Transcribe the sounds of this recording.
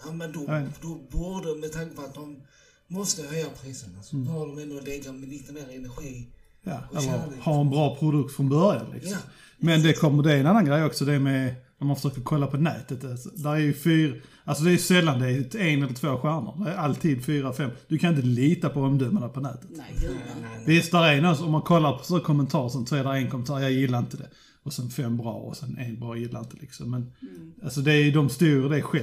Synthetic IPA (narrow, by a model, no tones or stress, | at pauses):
amɛnd̪ɔjaed̪ɔbuːd̪əmɛt̪ʰaŋkəpʰɔat̪̚d̪ɔmː | ɔst̪əhœjːapʰɾiːsənasɔhɑdɔmɛnd̪olɛɡamɛliːt̪ənæɾɛnæɧiː | ja̰ːɛlːəɾhaɾɛnbɾɑːpʰɾʊd̪ɵk̚t̪fɾɔnbœɾja̰nlɪ̰ksɔm | mɛnd̪ɛkʰɔmːəd̪ɛɛnanːanɡɾejːɔksɔd̪ɛmɛd̪ɔmhafə̥ʂœːk̚təkʰɔlːapʰɔnɛ̰ːt̪ət̪asd̪æɾæɾjɵfyːɾaʔalsɔd̪ɛæɾjsɛlːand̪ɛɪɛnɛlːət̪ʰvoːɧæːɳə̰ɾd̪æɾæalt̪ʰiːd̪fyːɾaɔfɛmːd̪̥ɵkʰanɪnt̪əliːt̪apʰɔɔmd̪ɵmad̪æpʰɔnæ̰ːt̪ə̥t̪ | vɪst̪̚d̪æɾɛnasɔɔmːankʰɔlːaɾpʰɔ̥sːkʰɔmːɛnt̪ʰɑːɾsɔnsɔɛd̪æɾɛnkʰɔmɛnt̪ɑːɾjɑːjɪlːaɾɪnt̪əd̪ɛ | ɔsɛnfɛmbɾɑ̰ːɔ̰sɛnɛ̰nbɾɑːjɪlːaɾɪnt̪əlɪ̰ksɔmːɛnalsɔd̪ɛæjd̪ɔmst̪uːɾəd̪ɛɧɛ